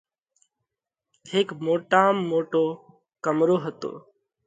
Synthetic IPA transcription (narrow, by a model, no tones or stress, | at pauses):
hekmoːʈaːmːoːʈoː | kəmɾoːɦət̪o̰ː